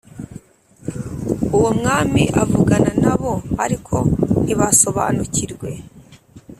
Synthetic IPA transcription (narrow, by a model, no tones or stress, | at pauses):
uwomŋaːmiʔavuɡananaβo̞aɾikʰo̞niβaso̞βa̰ːnuciɾɡwe̞